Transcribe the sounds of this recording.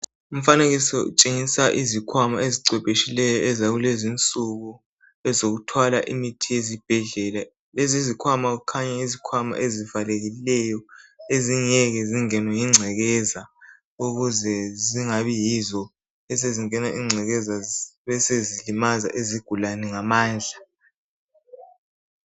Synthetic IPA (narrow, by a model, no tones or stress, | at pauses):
um̩faneɣisiṵt͡ʃʼeŋisaʔizikʰwamaeziǀwɛpʼeʃilɛjɔʔɛzaɣulezint͡sʼuɣu | ɛzoɣutʰwalaʔimitʰiezib̥ʱɛɮɛla | lezizikʰwamaukʰaɲaizikʰwama̰ʔezivaleɣilɛjɔeziɲɛɣɛziŋɛnwɛjiŋ͡ǀʱɛɣɛza | uɣuzɛziŋaβijizɔ | ɛs̬eziŋɛnaʔiŋ͡ǀʱɛɣɛzaβɛsezilimaza̰ʔeziɡ̥ʱulanɛŋamaːnd͡ɮʱa